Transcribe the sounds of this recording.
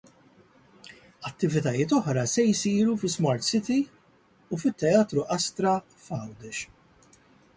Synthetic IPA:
ɐt̪ːɪvɪt̪ɐjɪːt̪ɔħɾɐsɛjsiːɾufɪsmɐːɾt̪sɪt̪i | ufɪt̪ːɛɐːt̪ɾuʔɐst̪ɾɐ | fɐwd̪ɛʃ

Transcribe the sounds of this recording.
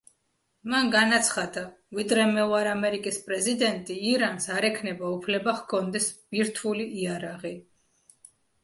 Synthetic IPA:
manɡanat̪sʰχad̪a | vid̪ɾɛmɛɔaɾamɛɾikʼispʼɾɛzid̪ɛnt̪ʼiːɾansaɾɛkʰnɛbaupʰlɛbaχkʰɔnd̪ɛsb̥iɾt̪ʰuliʔːaɾaʁi

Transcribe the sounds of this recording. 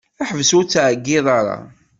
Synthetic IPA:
æħəvsut͡sːaʕəɡːɪðˤɑɾˤɑ̰

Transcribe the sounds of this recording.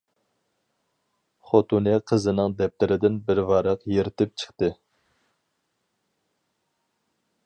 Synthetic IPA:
χot̪unɛqʰəzɨnɨŋd̪ɛp̚t̪ɪɾɪd̪ɪnbɪɾvɑɾɑqjeɾɪt̪ʰɪp̚t͡ʃʰə̥χt̪ɨ

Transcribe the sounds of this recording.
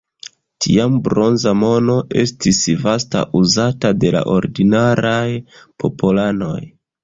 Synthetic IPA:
tʰḭambɾo̞nzamo̞no̞ʔe̞stisvasta̰ʔuzatade̞la̰ʔo̞ɾdinaɾajpʰo̞polano̞̰j

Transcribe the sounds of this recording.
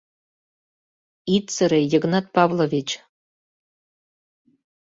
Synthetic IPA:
it̪t͡səɾejəɣnɑt̪̚pɑvlovʲit͡ɕ

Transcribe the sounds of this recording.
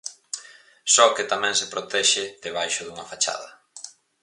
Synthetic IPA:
sɔket̪amɛ̃ŋsɪpɾot̪ɛʃɪðeβajʃʊðuŋɐfat͡ʃa̰ðɐ

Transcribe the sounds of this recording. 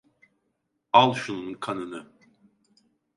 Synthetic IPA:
alˠʃununkʰanɯnɯ

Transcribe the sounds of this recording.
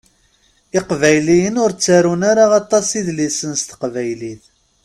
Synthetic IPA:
ɪqvæjlijənʊɾt͡sːaɾunaɾaɑt̪ˤːɑsiðlisənst̪ə̥qvæjliθ

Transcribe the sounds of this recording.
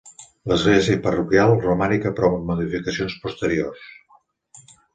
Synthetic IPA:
ləzɣlɛziəpərukjalˠrumanikəpɾɔβəmuðifikəsionspust̪əɾiors

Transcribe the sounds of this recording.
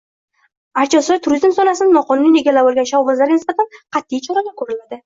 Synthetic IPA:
aɾt͡ʃʰɒsɒjt̪ʰʊɾʊzɪnsɒnasɪnnɒqʰɒnunineɡʲalːabolˠɡʲanʃawvazlaɾɡʲanɪsbat̪ʰanqʰɑt̪ːijt͡ʃʰɒɾaɡ̪akʰɵɾɪlad̪ɪ

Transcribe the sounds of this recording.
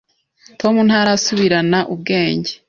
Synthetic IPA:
tʰo̞mun̥haɾasuβiɾanaʔubɡe̞ːɲɟe

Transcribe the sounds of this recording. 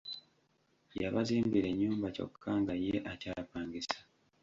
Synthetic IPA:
jaβaziːmbiɾe̞ɲːuːmbaco̰kʰːaːŋɡajeʔacapaːɲɡisḁ

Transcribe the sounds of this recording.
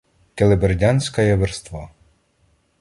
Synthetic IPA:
t̪elˠeberdʲanʲsʲkɐjɐʋerst̪ʋɑ

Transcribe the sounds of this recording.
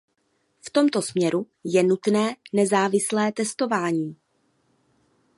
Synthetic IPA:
ft̪o̞mt̪o̞smɲɛɾu | jɛnut̪nɛːnɛzaːvɪslɛːt̪ɛst̪o̞vaːɲiː

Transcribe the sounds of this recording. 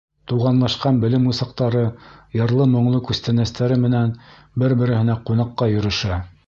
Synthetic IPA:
t̪uʁɑnlˠɑʃqɑnbɘ̆lɘmusɑqt̪ɑɾɤjɤ̆ɾlˠɤmŏɴlˠɤkʉst̪ænæst̪æɾɘmɘ̆næn | bɘɾbɘ̆ɾɘ̆hɘ̆næqunɑqːɑjɵ̆ɾɵ̆ʃæ

